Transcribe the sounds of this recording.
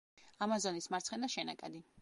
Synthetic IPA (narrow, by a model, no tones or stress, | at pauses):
amazɔnismaɾt̪sχɛnaʃɛnakʼɛd̪i